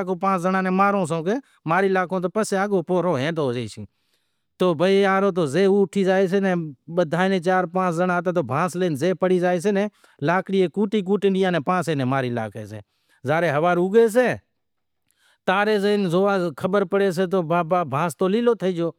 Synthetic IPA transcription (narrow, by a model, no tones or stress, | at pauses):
kõːpãːt͡ʃzənãːnẽːmaːɾõːsõːkeː | maːɾiːlaːkõːt̪̬oːpəseːaːɡoːpoːɾoːɦẽːɗ̪oːd͡ʒeiːsḭ̃ː | t̪oːbʱəaːɾoːt̪̬oːzeːuːʈʰiːzaːeːs̬eːnẽːɓəd̪ʱaːnẽːt͡ʃaːɾpãːt͡ʃʰzənãːt̪̬ẽːt̪̬oːbʱãːsleːnzeːpəɽiːzaːeːs̬eːnẽː | laːkɽiːeːkuːʈiːk̬uːʈɪːɖɪjãːnẽːpãːsẽːnẽːmaːɾiːla̰ːkḛːsḛː | zaːɾeːɦəʋaːɾuːɡeːs̬eː | t̪aːɾeːzeːnzoːaːkʰəbəɾpəɽeːs̬eːt̪̬oːbaːbaːbʱãːst̪oːliːloːt̪ʰəiːd͡ʒoː